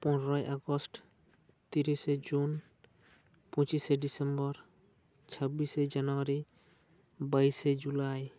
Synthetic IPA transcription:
pɔnɹɔjʔaɡɔsʈ | t̪iɾised͡ʒun | pɔ̃t͡ʃiseɖisembɔɾ | t͡ʃʰabised͡ʒanɔwaɾi | bajsed͡ʒulaj

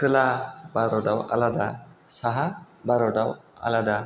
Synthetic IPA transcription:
kɯlabaɾɔdawa̰lad̪asaɦa | baɾɔdawa̰lad̪a

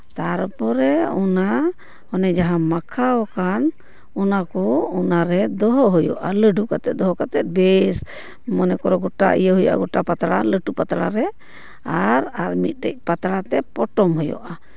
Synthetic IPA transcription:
t̪aɾpɔɾɛɔna | hɔnɛd͡ʒaɦãmakʰaɔkan | ɔnakɔɔnaɾɛd̪ɔɦɔɦɔjɔ̰ʔaləɖukat̪ɛt̪̚d̪ɔɦɔkat̪ɛt̪̚bɛs | mɔnɛkɔɾɔɡɔʈa̰ʔḭjəɦuja̰ʔa̰ɡɔʈapat̪ɽaləʈupat̪ɽa̰ɾɛ | aɾaɾmit̪̚ˀɖə̰c̚ˀpat̪ɽat̪ɛpɔʈɔmɦɔjɔ̰ʔa

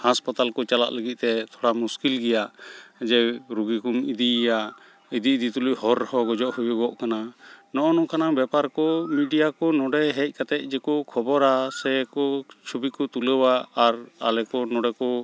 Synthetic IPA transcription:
haspat̪alkɔt͡ʃala̰ʔləɡit̪̚ˀt̪ɛt̪ʰɔɽamuskilɡɛjaʔd͡ʒɛɾuɡikumid̪iʔjaʔ | id̪id̪it̪uluhɔɾhɔɡɔd͡ʒɔʔhujuɡɔʔkananɔʔɔnɔkanabɛpaɾkɔmiɖijakɔnɔɖɛɦɛc̚ˀkat̪ɛc̚ˀd͡ʒɛkɔkʰɔbɔɾasɛkɔt͡ʃʰubikɔt̪uləwaːɾa̰lɛkɔnɔɖɛkɔ

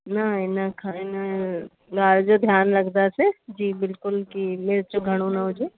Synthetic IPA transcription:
naenɐkʰaenɐ | ɡaːɾd͡ʒod̪ʱjaːnɾɐkd̪ased͡ʒiːbɪlkʊlkimeːɾt͡ʃoɡʱɐɽ̃õnaɦʊd͡ʒʱeː

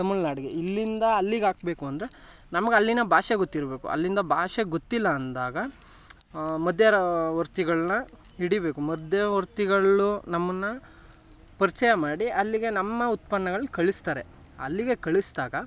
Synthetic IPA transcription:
ɐmuɭnaːɽiɡeilːind̪ɐɐlːiɡaːk̚be̞ːkuɐnd̪ɐɾe | nɐmɐɡeɐlːinɐbʱaːʂeɡot̪ːiɾbe̞ːkṵɐ̰lːind̪ɐbʱaːʂeɡot̪ːilːɐːnd̪aːɡɐ | mɐd̪ʱjɐɾɐʋɐɾt̪iɡɐɭɐnɐ | iɽibe̞ːkumɐd̪ʱjɐʋɐɾt̪iɡɐɭunɐmːɐnːɐ | pɐɾit͡ʃɐjɐmaːɽiɐlːiɡe̞nɐmːɐut̪̚pɐnːɐɡɐɭkɐɭist̪aːɾe̞ | ɐ̰lːiɡe̞kɐɭisd̪aːɡɐ

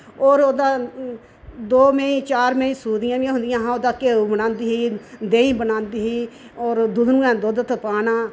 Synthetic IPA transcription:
oːɾoːd̪aː | d̪oːmẽĩːt͡ʃaːɾmẽĩːsuːd̪ɪjãːʋiãːɦʊ̃nd̪ɪjãːɦãːoːd̪aːkeːuːbənãːnd̪iːɦiːd̪eːĩːbənãːnd̪iːɦiː | oːɾd̪ʊd̪nũːɛ̃ːd̪od̪t̪ʰəpaːnaː

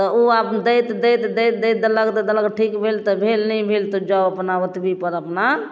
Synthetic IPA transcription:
t̪ɔuapd̪əjt̪d̪ejt̪d̪ejt̪d̪ejt̪̚d̪ələɡd̪əd̪ələɡʈʰikbʱelt̪ɔbʱelnɛjbʱelt̪ɔd͡ʒaəpnaət̪bʱipəɾəpna

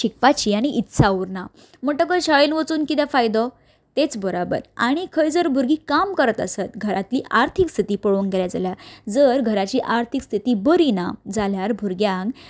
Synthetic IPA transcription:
ɕikpat͡ɕiːaɽ̃iʔit̪ːsʰauɾna | m̤əʈəkəɕəɭelʋət͡suːnkit̪̬jafajd̪ɔ | t̪et͡sbəɾabə̰ɾa̰ɽ̃ikʰəjd͡zəɾbʱuɾɡiːkamkəɾət̪ə̰sət̪ɡʱəɾʔat̪liːʔaɾt̪ʰikst̪ʰit̪iːpəɭuŋɡeljad͡zaljad͡zəɾɡʱəɾat͡ɕiːʔaɾt̪ʰikst̪ʰit̪iːbəɾinad͡zaljaɾbʱuɾɡjãŋɡ

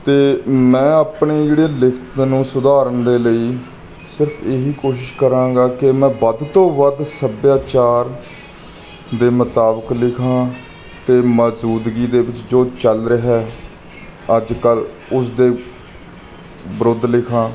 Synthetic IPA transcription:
t̪eːmɛ̃ːaːpɳeːd͡ʒeːɽeːlɪkʰt̪nũːsʊd̪aːɾənd̪eːləiː | sɪɾpʰeːɦiːkoːʃ̬ɪʃkəɾãːɡaːkɪmɛ̃ːbəd̪t̪õːʋəd̪səbjaːt͡ʃaːɾ | d̪eːmət̪aːbəklɪkʰãː | t̪eːməzuːd̪ɡiːd̪eːbɪt͡ʃd͡ʒoːt͡ʃəlɾəɦɛː | əd͡ʒkəl | ʊs̬d̪eː | bəɾod̪lɪkʰãː

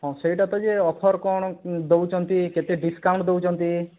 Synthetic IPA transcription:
ɦɔ̃seiʈat̪ɔd͡ʒeɔpʰɔɾkɔɽ̃ɔd̪owt͡ʃɔnt̪iket̪eɖiskawɳʈd̪ewt͡ʃɔnt̪i

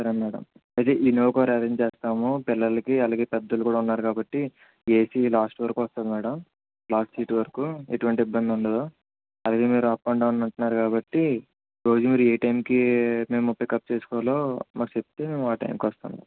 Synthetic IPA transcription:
sɐɾɐnmɛːɽɐ̰m | ɐjt̪e̞ːʔinoːkoːɾɐɾeɲd͡ʒt͡ʃeːst̪aːmupɪlːɐlɐkiɐlaːɡe̞ːpɛd̪ːɐlukuːɽaːunːaːɾukaːbɐʈːi | e̞ːsilaːsʈʋɐɾkuʋɐst̪aːd̪imɛːɽɐm | laːsʈsiːʈʋɐɾkuḛʈuʋɐɳʈiibːɐnd̪iuɳɖeːd̪o | ɐlaːɡe̞ːmiːɾuɐpːɐɳɖaːunɐɳʈunːaːɾukaːbɐʈːi | ɾo̞ːd͡ʒumiːɾueːʈɐjmkime̞ːmːɔpːɐjkɐp̚ːt͡ʃeːsu̥kɔːlo̞ːmaːku̥sep̚t̪eːme̞ːmuʋaːʈɐ̰jmkiʋɐst̪a̰nd̪ḭ

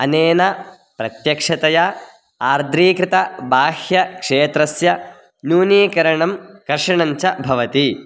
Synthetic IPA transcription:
ɐneːnɐ | pɾɐt̪jɐkʂɐt̪ɐja | aːɾd̪ʱɾiːkɾɪt̪ɐbaːhjɐkʂeːt̪ɾɐsjɐ | nuːniːkɐɾɐɳɐmkɐɾʂɐɳɐɲt͡ʃɐbʱɐʋɐt̪i

